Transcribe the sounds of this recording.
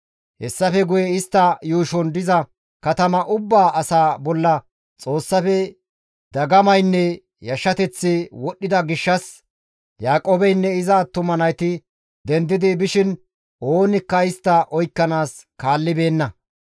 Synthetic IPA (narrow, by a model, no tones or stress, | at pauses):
hɛsːɐfɛɡʊjɛɪst̪ːɐjuːʃɔnd̪ɪzɐ | kɐt̪ɐmɐʔʊbːaːʔɐsaːbɔlːɐ | t͡sʼo̞ːsːɐfɛ | d̪ɐɡɐmɐjnːɛ | jɐʃːɐt̪ɛt͡sːɪwɔɗːɪd̪ɐɡɪʃːɐs | jaːkʼoːbɛjnːɛɪzat̪ʊmɐnɐjt̪ɪ | d̪ɛnd̪ɪd̪ɪbɪʃɪn | o̞ːnɪkːɐɪst̪ːɐʔɔjkːɐnaːs | kaːlːɪbe̞ːnːɐ